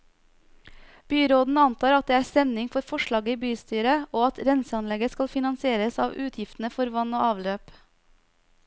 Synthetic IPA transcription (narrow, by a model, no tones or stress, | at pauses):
b̥yːɾoːd̪n̩ɑnt̪ʰɑːɾɑt̪̚d̪eːæːst̪ɛmnɪŋfɔɾfɔʃɭɑːɡəiːbyːst̪yːɾəoːɑt̪ɾɛnsəɑnlɛɡəskɑlfɪnɑnsɪeːɾəsɑ̰ːʋʉːt̪ʰjɪft̪n̩əfɔɾʋɑnoːʔɑːʋløːp